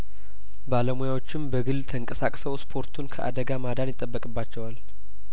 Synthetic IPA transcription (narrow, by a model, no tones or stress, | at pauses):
baləmujawo̞t͡ʃːɪmbəɡɨlt̪ʰəŋkʼəsakʼsəwspʰo̞ɾt̪ʰunkʰəʔa̰d̪əɡamad̪anjɪt̪ʼːəbːəkʼɨbːat͡ʃːɛwal